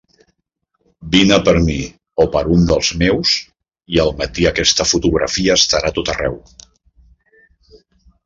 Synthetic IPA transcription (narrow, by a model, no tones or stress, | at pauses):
binəpəɾmi | opəɾund̪əlˠzmews | iəlˠmət̪iəkɛst̪əfut̪uɣɾə̰fiəːst̪əɾat̪ot̪ərɛ̰w